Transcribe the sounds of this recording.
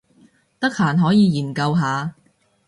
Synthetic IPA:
t̪ɐ˥k̚haː˨˩nɦɔː˨˥jiː˨˧jiː˨˩nkɐ˧wɦaː˨˧

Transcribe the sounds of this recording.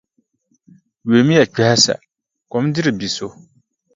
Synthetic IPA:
ɥe˨˦m˦ja˨k͡pɛ˨ha˦sa̰˨ | kɔ˨˦m˦dɪ˦ɾɨ˨bi˨so˦

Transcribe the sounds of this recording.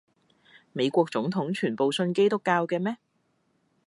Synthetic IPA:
me˨˧jkʷɔː˧k̚t͡sʊ˨˥ŋt̪ʰʊ˨˥ŋt͡ʃʰyː˨˩npo˨wsɵ˧nke˥jt̪ʊ˥kːaː˧wkɛː˧mɛː˥

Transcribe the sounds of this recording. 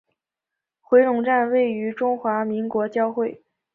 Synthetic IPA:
xwe˧˥ɪɻʊ˨˩ŋʈ͡ʂa˥˧nwe˥˩ɪy˧˥ʈ͡ʂʊ˥ŋxwa˧˥mi˧˥ŋkwɔ˧˥t͡ɕjɑ˥˧ʊxwe˥˩ɪ

